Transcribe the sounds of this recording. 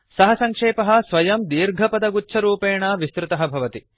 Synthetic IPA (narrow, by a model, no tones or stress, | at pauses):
sɐɦɐsɐŋkʂeːpɐɦɐ̆sʋɐjɐmd̪iːɾɡʱɐpɐd̪ɐɡuːt͡ʃʰɐɾuːpeːɳɐʋist̪ɾɪt̪ɐɦɐbʱɐʋɐt̪i